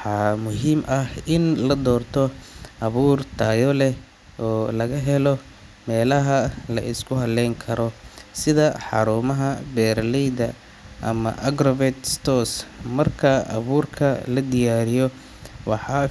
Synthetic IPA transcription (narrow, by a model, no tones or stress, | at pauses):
ħɑmʊɦiːmʔɐhɪnlɐd̪ɔːrt̪ʰɔʔɐβuːrt̪ʰaːjɔlɛ | ʔɔːlɐɣɐɦɛlɔ | mɛːlɐɦɐlɐ̰ʔɪskʰʊɦɐlɛŋkʰɐɾɔsɪðɐħɑ̰ɾuːmɐɦɐbɛːrlɛjd̪ɐ | ʔɐ̰mɐ̰ʔɐɡɾɔvɛd̪st̪ɔsmɐrkʰɐɐ̰βuːrkʰɐlɐd̪ɪjaːɾɪjɔ | wɑħɑ